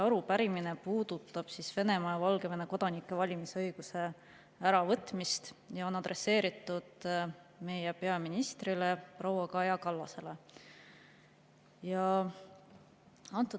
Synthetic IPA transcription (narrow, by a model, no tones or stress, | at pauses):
ɑɾupæɾimine̞puːd̪̥ut̪ːˑɑb̥sisve̞ne̞mɑjɑvɑlɡe̞ve̞neko̞d̪̥ɑnikːˑe̞vɑlʲimisɤjɡ̥use̞ | æɾɑvɤt̪ːˑmist̪jɑo̞nɑd̪re̞sːe̞ːɾit̪ːˑud̪̥ | me̞jepe̞ɑminist̪rile̞prowɑkɑjɑkɑlːɑse̞le̞ | jɑ | ɑnt̪ːˑu